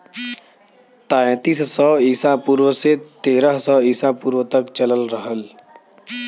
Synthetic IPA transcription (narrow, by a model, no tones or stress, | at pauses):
t̪aːẽt̪issɔːiːsapuːɾwəset̪eːɾəɦsɔːiːsapuːɾwət̪əkt͡ʃələlɾəɦəl